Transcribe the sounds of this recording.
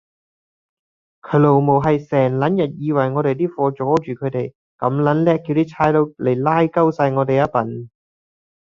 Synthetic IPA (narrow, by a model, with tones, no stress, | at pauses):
kʰɵ˨˧˥lo˨˩wmo˨˩wɦɐ˨jsɛː˨˩ŋlɐ˨˥njɐ˨t̚jiː˧wɐ˨˩jŋɔː˨˧t̪e˨jt̪iː˥fɔː˧t͡ʃɔː˨˥t͡ʃyː˨kʰɵ˨˧t̪e˨j | kɐ˨˥mlɐ˨˥nlɛː˥kːi˧wt̪iː˥t͡sʰaː˧˥jlo˨˧wle˨˩laː˥jkɐ˥wsaː˧jŋɔː˨˧t̪e˨jɐ˥pɐ˨˥n